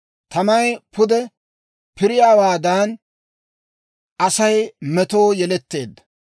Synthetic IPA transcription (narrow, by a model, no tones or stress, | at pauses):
t̪ɐmɐjpʰʊd̪ɛ | pɪɾɪjaːwaːd̪aːn | ʔɐsɐjmɛt̪o̞ːjɛlɛt̪ːe̞ːd̪ːɐ̥